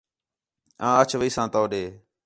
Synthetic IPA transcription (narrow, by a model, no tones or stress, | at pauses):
ãːət͡ʃʰʋiːsãːt̪oːɗeː